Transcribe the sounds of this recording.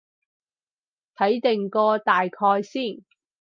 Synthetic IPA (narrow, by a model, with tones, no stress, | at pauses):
t̪ʰɐ˨˥jt̪ɪ˨ŋkɔː˧t̪aː˨˩jkʰɔː˧jsiː˥˩n